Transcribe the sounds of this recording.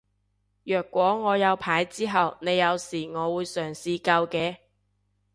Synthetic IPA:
jœː˨kːʷɔː˨˥ŋɔː˨˧jɐ˨˧wpʰaː˨˥jt͡siː˥ɦɐ˨wne˨˧jːɐ˨˧wsiː˨˩ŋɔː˨˧wuː˨˧jsœː˨˩ŋsiː˧kɐ˧wkɛː˧

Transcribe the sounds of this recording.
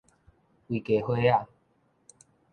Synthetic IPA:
wi˨˩ke˨hwe˦a˥˨

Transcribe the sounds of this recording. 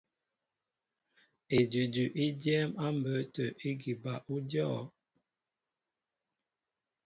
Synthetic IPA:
e˨dʉ˨dʉ˨ʔi˦djɛ˦ma˦m˨bə˨˦tə˨ʔi˦ɡi˨ba˨ʔu˦djɔ˦˨

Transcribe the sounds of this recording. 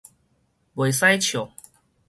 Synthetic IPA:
we˨˩jsa˥˦jt͡ɕʰjo˨˩˦

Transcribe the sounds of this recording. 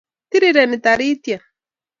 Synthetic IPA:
t̪i˦ɾi˨ɾɛ˨nɪ˨t̪a˨ɾi˦t̪ja˨

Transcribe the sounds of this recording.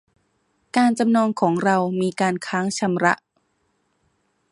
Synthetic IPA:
kaː˧nt͡ɕa˧mnɔː˧ŋkʰɔː˩˦ŋɾa˧wmiː˧kaː˧nkʰaː˦˥ŋt͡ɕʰa˧mɾa˦˥ʔ

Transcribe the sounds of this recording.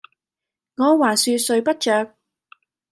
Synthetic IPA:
ŋɔː˨˧waː˨˩nsyː˧sɵ˨˧ɥpɐ˥t̚t͡ʃœː˨˧k̚

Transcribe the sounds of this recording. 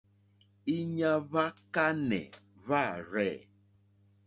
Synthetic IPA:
i˦ɲa˦βa˦ka˦nɛ̰˨ | βa˦˨ɾɛ˦˨

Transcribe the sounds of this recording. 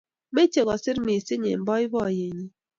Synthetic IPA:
me˦t͡ʃe˨ɣɔ˨si˦ɾmi˨si˦ɲḛ˨m̩˨bɔ˦i˦βɔ˦˨je˨ɲi˦

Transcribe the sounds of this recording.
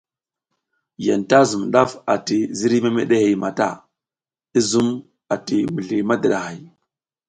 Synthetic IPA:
ja˨nta˦zu˨mɗa˦fa˨ti˨zi˦ɾi˦ma˦me˦ɗe˦he˨ma˨ta̰˦˨ | i˦zu˦m | a˨ti˨mu˨ɮi˨ma˦da˨ɗa˨ha˨j

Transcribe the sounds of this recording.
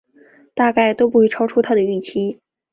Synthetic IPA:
t̪a˥˧ka˥˩ɪt̪o˥ʊp̬u˥˩xwi˥˩ʈ͡ʂʰɑ˥ʊʈ͡ʂʰu˥t̪ʰa˥d̪ə˨y˥˩t͡ɕʰi˥

